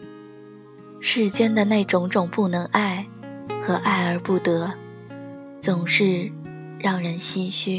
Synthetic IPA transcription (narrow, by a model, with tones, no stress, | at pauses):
ʂɻ̩˥˩t͡ɕjɛ˥nd̪ə˨ne˥˩ɪʈ͡ʂʊ˨˧˥ŋʈ͡ʂʊ˨˩ŋpu˥˩nɤ˧˥ŋʔa˥˩ɪxɤ˧˥ʔa˥˩ɪə˞˧˥pu˥˩t̪ɤ˧˥ | t͡sʊ˨˩ŋʂɻ̩˥˧ | ɻɑ˥˩ŋɻə˧˥nɕi˥ɕy˥˩